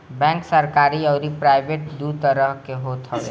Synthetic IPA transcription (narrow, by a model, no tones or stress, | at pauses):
bɛ̃ŋksəɾkaɾiəʊɾipɾaɪbeʈ̚d̪ut̪əɾəɦkeɦot̪ʰəl